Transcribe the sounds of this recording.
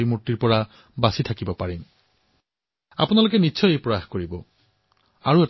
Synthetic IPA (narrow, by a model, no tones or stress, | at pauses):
imutːiɹpɔɹa | basitʰakibɔpaɹin | a̰punalokɛniːt͡ʃʰɔjejpɹɔjaxkoɹibɔ | a̰ɹuɛt